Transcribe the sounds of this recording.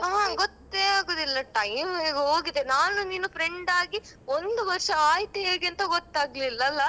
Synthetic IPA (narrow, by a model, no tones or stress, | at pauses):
aɡɔt̪ːeːaːɡoːd̪ilːɐʈɐjmeːɡoːɡid̪enaːnuniːnupɾeɳɖaːɡi | ond̪uʋɐɾʂɐaːjt̪ieːɡeɐnt̪ɐɡɔt̪ːaːɡlilːɐlːɐ